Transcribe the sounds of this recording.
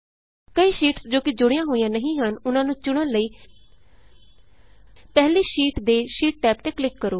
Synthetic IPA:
kəiːʃiːʈsd͡ʒoːkɪd͡ʒʊɽɪjãːɦoːijãːnəɦĩːɦənʊnãːnũːt͡ʃʊɽ̃əːləiː | pɛɦliːʃiːʈd̪eːʃiːʈ̚ʈɛːpt̪eːklɪkːəɾoː

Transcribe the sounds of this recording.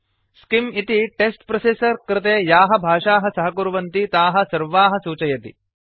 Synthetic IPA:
skimit̪iʈesʈpɾɐsesɐɾkɾɪt̪eːjaːɦɐ̆bʱaːʂaːɦɐsɐɦɐkuɾʋɐnt̪it̪aːɦɐ̆sɐɾʋaːɦɐ̆suːt͡ʃɐjɐt̪ḭ

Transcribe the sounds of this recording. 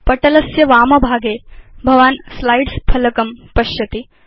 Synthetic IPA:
pɐʈɐlɐsjɐʋaːmɐbʱaːɡeːbʱɐʋaːnslajɖspʰɐlɐkɐmpɐʃjɐt̪i

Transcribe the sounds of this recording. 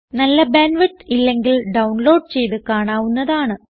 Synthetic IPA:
nɐlːɐbeːnʋiʈːilːe̞ŋɡilɖɐwɳlo̞ːɖ̚t͡ɕe̞jt̪ɨkaːɳaːʋunːɐðaːɳɨ

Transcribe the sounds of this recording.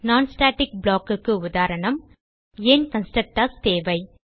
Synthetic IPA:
naːnsʈaːʈːɪk̚bɭaːkɯkːɯʊðaːɾɐɳɐm | eːnkɐnsʈɐk̚ʈːast̪eːʋɐɪ

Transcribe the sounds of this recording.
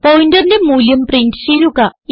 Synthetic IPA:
pojindɐrndemuːljɐmprindsilukːɐ

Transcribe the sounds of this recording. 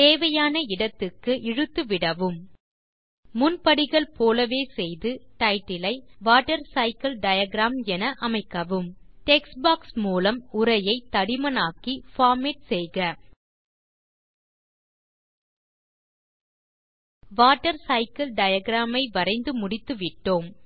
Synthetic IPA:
t̪eːʋɐjaːnɐɪɽɐt̪ːɯkːɯʔɪɻɯt̪ːɯʋɪɽɐʋɯm | mʊnpɐɽɪɣɐɭpoːlɐʋeːsɛjðɯʈɐɪʈːɪlɐɪʋaːʈːɐɾsɐɪkɐlɖɐjɐɡɾaːmɛnɐʔɐmɐɪkːɐʋɯmʈɛksbaːksmuːlɐmʊɾɐjɐɪt̪ːɐɽɪmɐnaːkifaːɾmɛʈ̚sɛjɣɐ | ʋaːʈːɐɾsɐɪkɐlɖɐjɐɡɾaːmɐɪʋɐɾɐɪnd̪ɯmʊɽɪt̪ːɯʋɪʈːoːm

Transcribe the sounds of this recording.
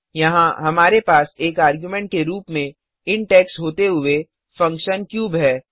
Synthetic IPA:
jɐɦãɦɐmaːɾepaːseːkaːɾɡjumɛ̃ɳʈ̚keɾuːpmẽ | ɪɳʈɛːksɦoːt̪eɦʊe | fɐ̃ŋkʃənkjuːbɦɛː

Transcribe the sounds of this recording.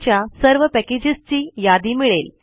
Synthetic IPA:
t͡ɕjasəɾʋəpɛked͡ʑist͡ɕiːjad̪imiɭel

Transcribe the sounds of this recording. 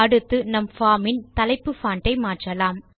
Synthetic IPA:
ɐɽɯt̪ːɯnɐmfaːmɪnt̪ɐlɐɪpːɯfaːɳʈɐɪmaːʈrɐlaːm

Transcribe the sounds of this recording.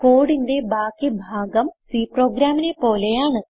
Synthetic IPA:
ko̞ːɽinde̞baːkːibʱaːɡɐmsiːpro̞ːɡɾaːminepo̞ːle̞jaːɳɨ

